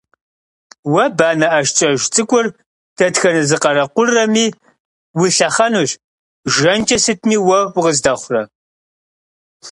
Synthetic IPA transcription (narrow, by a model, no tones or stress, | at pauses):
wɐbaːnɐʔɐʃt͡ʃʼɐʒt͡sʼɨkʷʼʊr | d̥ɐtxɐnɨzɨqɐɾɐqʷʊrːɐmiː | wiɬɐχɐnuɕ | ʒɐnt͡ʃʼɐsɨtʰniːwɐwʊʁəzdɐχʷʊrɐ